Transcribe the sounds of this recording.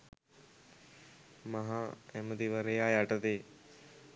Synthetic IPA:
maɦaɛməd̪iʋəɾejaːjaʈət̪eː

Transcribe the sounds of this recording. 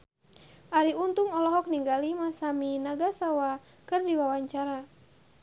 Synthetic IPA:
ʔaɾiunt̪uŋɔlɔɦɔk̚niŋɡalimasaminaɡasawa | kɨrdiwawaɲt͡ʃaɾa

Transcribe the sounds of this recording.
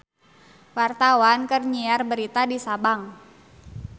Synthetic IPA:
wart̪awankərɲiarbəɾit̪adisabaŋ

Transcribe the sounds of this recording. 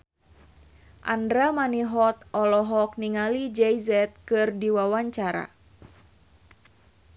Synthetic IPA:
ʔa̰ndɾamaniɦɔt̪̚ʔɔlɔɦɔk̚niŋalid͡ʒɛjzɛt̪̚kɨrdiwawaɲt͡ʃaɾa̰

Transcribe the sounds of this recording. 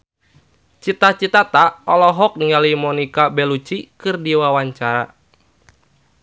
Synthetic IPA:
t͡ʃit̪at͡ʃit̪at̪aɔlɔɦɔk̚niŋalimɔnikabɛlut͡ʃikɨrdiwawaɲt͡ʃaɾa̰

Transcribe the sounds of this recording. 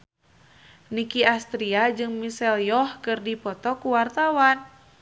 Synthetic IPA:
nikiast̪ɾiad͡ʒɨŋmisɛljɔhkɨrdipɔt̪ɔkuwart̪awan

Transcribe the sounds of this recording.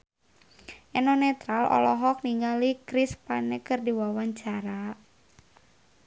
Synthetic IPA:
ʔɛnɔnɛt̪ɾalɔ̰lɔɦɔk̚niŋɡalikɾispanɛkɨrdiwawaɲt͡ʃaɾa

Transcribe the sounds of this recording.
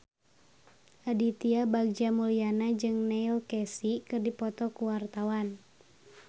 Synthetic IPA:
ʔadit̪iabaɡ̚d͡ʒamulianad͡ʒɨŋnɛilkɛsikɨrdipɔt̪ɔkuwart̪awan

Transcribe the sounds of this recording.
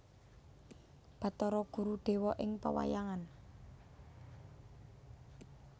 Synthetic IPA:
b̥a̤t̪ɔɾɔɡ̥ṳɾuɖ̪̥e̤wɔʔɪŋpa̰wa̰jaŋan

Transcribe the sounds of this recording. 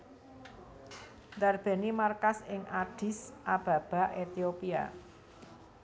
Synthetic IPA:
d̪arb̥e̤nimarkasɪŋʔaɖ̥i̤sʔab̥ä̤b̥a̤ʔet̪iopia̰

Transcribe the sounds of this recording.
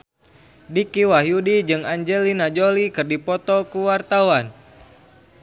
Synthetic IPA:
dikiwaɦjudid͡ʒɨŋaɲd͡ʒɛlinad͡ʒolikɨrdipɔt̪ɔkuwart̪awan

